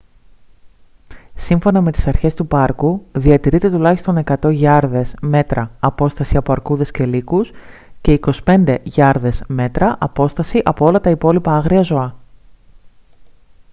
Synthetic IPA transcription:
siɱfo̞nɐme̞t̪i̥sɐɾçe̞st̪upɐɾkuðiɐt̪iɾit̪e̞t̪ulɐçist̪o̞ne̞kɐt̪o̞ʝɐɾðe̞sme̞t̪ɾɐːpo̞st̪ɐsiɐpo̞ɐɾkuðe̞sce̞likusce̞iko̞si̥pe̞nd̪e̞ʝɐɾðesme̞t̪ɾɐʔɐpo̞st̪ɐsiʔɐpo̞o̞lɐt̪ɐipo̞lipɐɐɣɾiɐzo̞ɐ

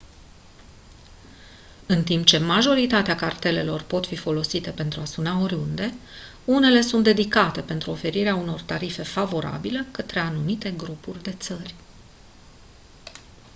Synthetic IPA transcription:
ɨnt̪impt͡ʃe̞maʒo̞ɾit̪at̪eakart̪e̞le̞lo̞rpo̞t̪fifo̞lo̞sit̪e̞pe̞nt̪ɾuasunao̞ɾʲund̪e̞ | une̞le̞sunt̪d̪e̞d̪ikat̪e̞pe̞nt̪ɾuo̞fe̞ɾiɾeauno̞rt̪aɾife̞favo̞ɾa̰bile̞kət̪ɾe̞anumit̪e̞ɡɾupurʲd̪e̞t̪sərʲ

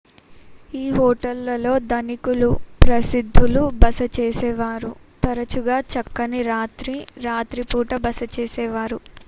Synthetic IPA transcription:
iːɦɔːʈɐlːɐlo̞ːd̪ɐnikulupɾɐsid̪ʱːulubɐsɐt͡ʃeːsɛːʋaːɾu | t̪ɐɾɐt͡ʃuɡaːt͡ʃɐkːɐniɾaːt̪ɾiɾaːt̪ɾipuːʈɐbɐsɐt͡ʃeːsɛːʋaːɾu

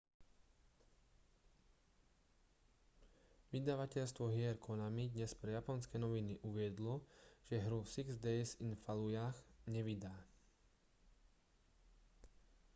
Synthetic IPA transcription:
ʋid̪aʋacɛʎst̪ʋɔɦɪɛɾkʰɔnamid̪ɲɛspɾɛjapɔnskɛnɔʋiniʔuʋɪɛd̪lɔʒ̥ɛɦɾufsiɡzd̪ɛsinfalujaxɲɛʋid̪aː

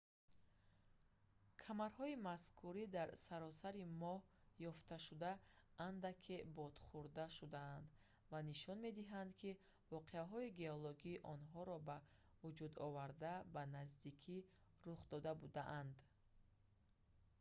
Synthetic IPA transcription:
kʰamaɾhɔimaskʰuɾid̪aɾsaɾɔsaɾimɔhjɔft̪ʰaʃud̪aːnd̪akʰebɔd̪̥χuɾd̪aʃud̪aːnd̪ | vaniʃɔnme̞d̪iɦand̪kʰi | vɔqʰe̞aɦɔiɡe̞ɔlɔɡiːʔɔnɦɔɾɔba | vud͡ʒud̪ɔvaɾd̪abanazd̪ikʰi | ɾuχd̪ɔd̪abud̪aʔand̪

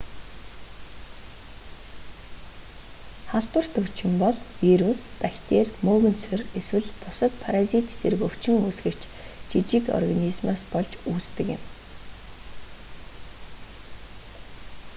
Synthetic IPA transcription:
χaɬt̪wə̆r̥t̪ʰɵw̥ʰt͡ɕɪ̆mpɔɮwiɾuspækʲt̪eːrmoːɣɵ̆nt͡sʰɵ̆reswɘ̆ɮpʊsə̆t̪pʰaɾazit̪t͡sʰerɘ̆kɵw̥t͡ɕɪ̆ŋɵsɡɘ̆kt͡ɕ | t͡ɕit͡ɕikɔ̰rɣanizmaːspɔɮt͡ɕuːt͡st̪ɘ̆kɪ̰̆m

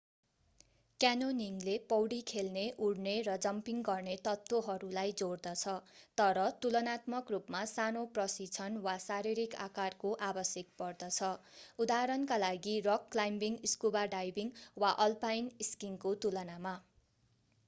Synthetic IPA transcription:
kjanoniŋlepʌwɽikʰelneʔuɽneɾʌd͡zʌmpiŋɡʌrnet̪ʌt̪woɦʌɾulajd͡zoɽd̪ʌt͡sʰʌt̪ʌɾʌt̪ulʌnat̪mʌkrupmasanoprʌsit͡sʰʌnwasaɾiɾika̰karkoʔabʌsjʌk̚pʌrd̪ʌt͡sʰʌud̪aɾʌnkalaɡirʌkːlajmbiŋiskubaɖajbiŋwaʔʌlpajniskiŋkot̪ulʌnama

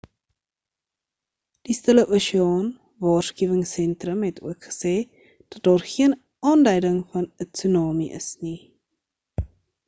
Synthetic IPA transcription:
d̥istələʔuʃiɑːn | vɑːrskiəvəŋsɛntrəmɦɛtʰṵəkχə̥sɛː | d̥ɐt̚dɑːrχiən | ɑːndɛjdəŋfɐnətsunɑːmiʔə̰sni

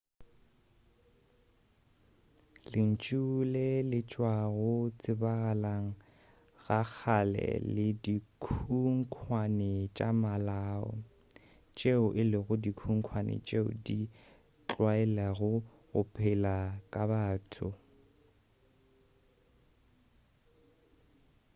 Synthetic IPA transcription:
lɪn̩t͡ʃʼulɛlɪt͡ʃʼwaɣʊt͡sʼɪbaɣalaŋ̩ | ɣak͡xʰalɛ̰lɪdikʰuŋ̩kʰwanɛt͡ʃʼamalaːɔ̰ | t͡ʃʼeʊʔɪlɪɣʊdikʰuŋ̩kʰwanɪ̰t͡ʃʼeʊ̰di | t͡ɬʼwaɛlaɣʊ | ɣʊpʰʼɪlakʼabaːtʰʊ

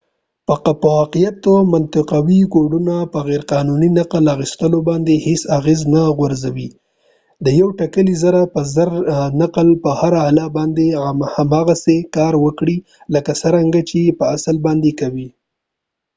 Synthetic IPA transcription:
pəpəwɑqijat̪omant̪ɪqawikoɖunapəɣeɾqɑnuninaqlaɣist̪əlobɑnd̪ehesaɣeznaɣwaɾzawi | d̪əjawʈakəlizaɾapəzəɾnaqlpəhaɾaalabɑnd̪ehamɑɣasekɑɾwəkɽi | ləkasəɾaŋɡat͡ʃepəasəlbɑnd̪ekawi

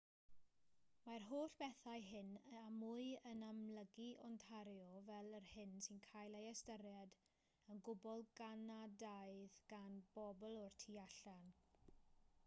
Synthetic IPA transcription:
marɦoːɬb̥ɛθajɦɪnamʊɨənamləɡiʔɔntʰaɾjɔvɛlˠərhɪnsɪnkʰajlˠeɛstəɾjad | ənɡʊbɔlˠɡanadaɨðɡ̥anb̥ɔbɔlˠɔrtʰiaɬan

